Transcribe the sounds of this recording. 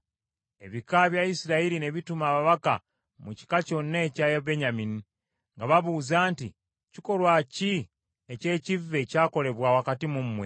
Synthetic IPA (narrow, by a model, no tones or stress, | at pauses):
e̞̰βikaβjaisiɾaiɾine̞βitumaːβaβaka̰ | muci̥kaco̞nːeːcajaβe̞ɲamini | ŋɡaβaβuːzaːnti | ciko̞lwaci | ece̞ːcivːe̞caːko̞le̞βwaːwakatimumːwe̞